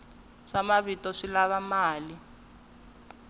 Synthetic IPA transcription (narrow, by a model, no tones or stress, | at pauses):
ʂamaβitɔʂilaβamaːli